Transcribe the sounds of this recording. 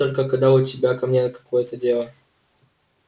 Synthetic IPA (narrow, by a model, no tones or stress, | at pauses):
t̪olʲkəkɐd̪aʊtʲɪbʲakɐmnʲenəkɐ̥kojət̪ədʲelˠə